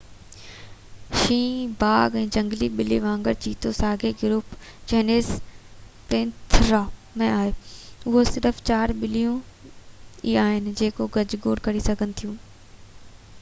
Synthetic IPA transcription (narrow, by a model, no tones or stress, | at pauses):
ʃĩːbaːɡɛ̃ːd͡ʑɐ̃ŋɡliɓɪliʋãːŋɡəɾt͡ɕiːt̪osaːɡeɡʊɾuːpt͡ɕɛːneːz | pɪ̃nt̪ʰɾaː | mẽaːɦeːʊɦosɪɾəft͡ɕaːɾɓɪlijũ | iaːɦɪnɪ̆d͡ʑeːkoɡɐd͡ʑɡoːɽkɐɾisɐɡʱənɪ̆t̪ʰijũː